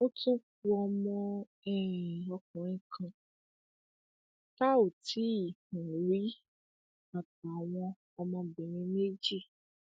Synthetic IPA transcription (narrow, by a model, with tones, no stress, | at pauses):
o˦tũ˦k̚u˧ɔ˧mɔ̃˧ | ɛ˨ɔ˧kɔ̃˨ɛ̃˦kʰã˧ | ta˦wo˨tʰĩ˦˨wi˦ | a˨ta˨a˨w̃ɔ̃˧ | ɔ˧mɔ̃˧be˨mĩ˧me˦d͡ʒi˦˨